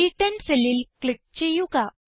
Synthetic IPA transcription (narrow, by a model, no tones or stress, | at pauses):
iʈənseliːlklik̚t͡ɕejuɡa